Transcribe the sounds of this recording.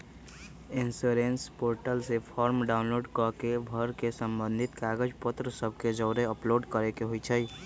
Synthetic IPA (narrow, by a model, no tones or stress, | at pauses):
insoɾenspoɾʈəlsepʰɔɾmɖaʊnloɖkɔkebʱəɾkesəmbə̃nd̪ʱit̪kaɡəd͡ʒpət̪ɾəsəb̚ʱked͡ʒəːɾeəploɖkəɾekeɦojt͡ʃʰəj